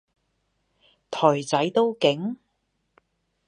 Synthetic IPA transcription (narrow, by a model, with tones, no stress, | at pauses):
t̪ʰɔː˨˩jt͡sɐ˨˥jt̪o˥wkɪ˨˥ŋ